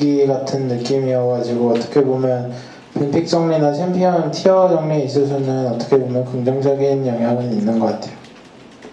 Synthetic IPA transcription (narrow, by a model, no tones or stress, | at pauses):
ɡiɡatʰɯnːɯk͈imiʌʌɡad͡ʑʰiɡoʌt͈ʌ̥kʰe̞bomjʌn | pinpʰik̚t͡ɕ͈ʌŋɲinaɕʰimpʰiʌʌntʰiʌd͡ʑʌŋɲieis̬͈ʌsʰʌnɯnʌt͈ʌ̥kʰe̞bomjʌnkɯŋd͡ʑʌŋd͡ʑʌɡinjʌŋɦjaɡɯninːɯnɡʌk͈atʰe̞jo